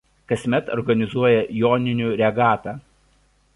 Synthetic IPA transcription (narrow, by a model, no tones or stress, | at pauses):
kɐsʲmʲɛt̪ɔ̰ɾɡɐnʲɪzuɔjɛjoːnʲɪnʲuːˑɾʲɛɡɑːt̪ɑː